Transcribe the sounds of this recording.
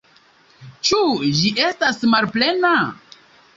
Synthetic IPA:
t͡ʃud͡ʒiʔe̞stasmalple̞na

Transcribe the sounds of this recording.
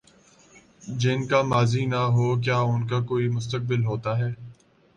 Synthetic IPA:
d͡ʒɪnkamaːzinaɦoːk̬jaːʊnkakoːimʊst̪ək̚bɪlɦoːt̪aɦɛː

